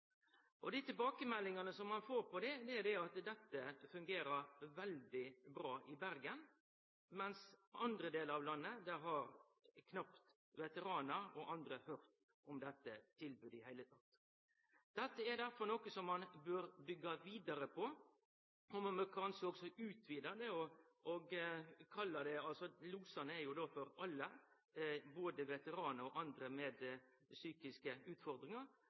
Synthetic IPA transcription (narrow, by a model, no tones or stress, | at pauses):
ʔɔd̪æɪt̪ʰɪlbɑːkəmɛlːɪŋɑnəsɔmːɑnfoːɾpɔd̪ɛd̪ɛæɾd̪ɛɑt̪d̪ɛt̪ːəfʉŋɡeːɾəɾʋɛld̪ɪbɾɑːʔɪbæɾɡən | mɛnsɑnd̪ɾəd̪eːləɾɑʋlɑnːəd̪ɛɾɦɑɾ | kʰnɑpt̪ | ʋɛt̪əɾɑːnəɾɔʔɑnd̪ɾəhøɾt̪ | ɔmd̪ɛt̪ːət̪ʰɪlbʉːd̪ɪhæɪlət̪ʰɑt̪ː | d̪̥ɛt̪ːəɛɾd̪æɾfɔɾnɔkəsɔmːɑnbøːɾbʏɡːɑʋiːd̪ɑɾəpʰɔ | ɔmɑməkʰɑːnsɔɔɡsɔʔʉːt̪ʰʋiːd̪əd̪ɛɔɔɡkʰɑlːəd̪ɛɑlsɔluːsɑnəɛɾjʊd̪ɔfɔɾɑlːə | boːd̪əʋɛt̪əɾɑːnəɾɔʔɑnd̪ɾəmɛːd̪ | syːkɪskəʉːt̪fɔɾd̪ɾɪŋɑɾ